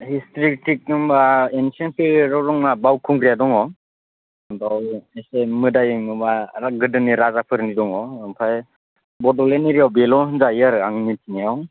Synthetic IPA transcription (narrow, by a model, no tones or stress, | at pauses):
histɾiktik̚nɯmbaensianpʰiɾɔɾɔŋnabawkʰuŋɡɾijadɔŋɔ | dawesemɯdajɯŋɯbaaɡɯdɯniɾazapʰɯɾnidɔŋɔɔŋpʰaj | bɔdɔleniɾijawbelɔɦɯnzajɯɾaŋnitʰinijaw